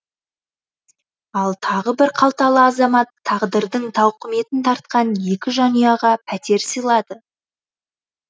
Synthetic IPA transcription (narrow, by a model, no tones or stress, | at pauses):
ɑlˠt̪ʰɑʁəbɪɾqʰɑlˠt̪ɑlˠəɑzɑmɑt̪ʰːɑʁd̪əɾd̪əɴt̪ʰɑwqəme̞t̪ɪnt̪ʰɑɾt̪̚qɑnje̞kʲɪʒɑnijɑʁɑpʰæt̪e̞ɾsəjlˠɑd̪ə